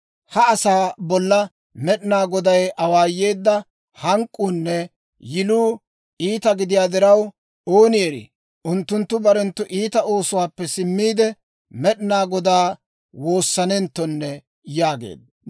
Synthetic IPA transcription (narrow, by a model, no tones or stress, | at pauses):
hɐːsaːbɔlːɐ | mɛɗɪnaːɡɔd̪ɐjʔɐwaːjːe̞ːd̪ːɐ | hɐŋkʼːuːnːɛ | jɪluː | iːt̪ɐɡɪd̪ɪjaːd̪ɪɾɐw | oːnɪjɛɾɪ̰ | ʔʊnt̪ːʊnt̪ːʊbɐɾɛnt̪ːʊʔiːt̪ɐo̞ːsʊwaːpːɛsɪmːiːd̪ɛ | mɛɗɪnaːɡɔd̪aː | wo̞ːsːɐnɛnt̪ːɔnːɛ | jaːɡḛːd̪̚ɐ